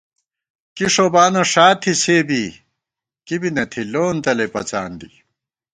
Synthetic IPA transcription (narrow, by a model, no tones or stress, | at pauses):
kiʂoːbaːnoʂaːt̪ʰːiseːbi | kibinɐt̪ʰiloːnt̪ɐlepɐt͡sa̰ːnd̪i